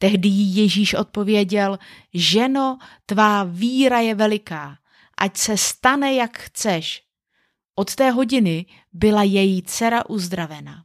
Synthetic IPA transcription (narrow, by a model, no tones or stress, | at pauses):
t̪ɛɦdɪjɪjɛʒiːʃʔo̞̰t̪̚po̞vjɛɟɛl | ʒɛno̞t̪vaːviːɾajɛvɛlɪkaː | ʔacsɛst̪anɛjakxt͡sɛʃ | ʔo̞t̪t̪ɛːɦo̞ɟɪnɪ | bɪlajɛjɪt͡sɛɾaʔuzd̪ɾavɛna